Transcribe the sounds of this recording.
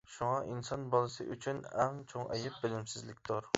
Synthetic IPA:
ʃuŋɑʔinsɑnbɑlˠɨsɨ̰ʔyt͡ʃʰynɛŋt͡ʃʰoŋɛjɪp̚bɪlɪmsɪzlɪkʲt̪ʰʊɾ

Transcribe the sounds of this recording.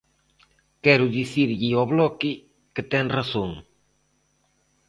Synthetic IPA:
kɛɾuðiθiɾʎiɔβlɔki | kət̪ɛŋrasoŋ

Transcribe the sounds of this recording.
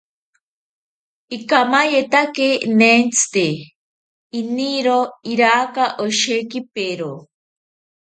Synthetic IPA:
ikamajet̪akenent͡sʰɨ̥t̪e | iniɾoiɾakaʔoʃekipeɾo

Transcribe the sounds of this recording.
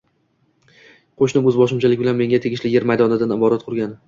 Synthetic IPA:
qʰoʃnɪmɵzbɒʃɪmt͡ʃʰalɪk̚ʲbɪlanme̞ŋɡʲat̪ʰeɡʲɪʃlɪje̞ɾmajd̪ɒnɪd̪anɪbɒɾat̪qʰʊɾɡʲan

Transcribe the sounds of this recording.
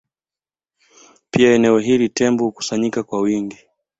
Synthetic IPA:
piaɛnɛɔɦilitɛmbuhuku̥saɲikakwawiŋɡi

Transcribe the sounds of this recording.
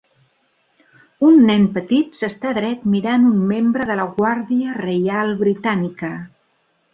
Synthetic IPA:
unːɛmpət̪it̪səst̪aðɾɛt̪miɾanummembɾəðələɣwaɾðiərəjalˠβɾit̪anikə

